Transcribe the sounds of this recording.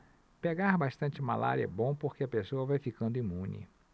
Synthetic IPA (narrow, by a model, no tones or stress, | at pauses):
peɡaɾbaʃt̪ɐ̃nt͡ʃɪma̰la̰ɾiɐ̰bõpoɾkeɐpesoɐvajfikɐ̃nd̪ʊimũnɪ̰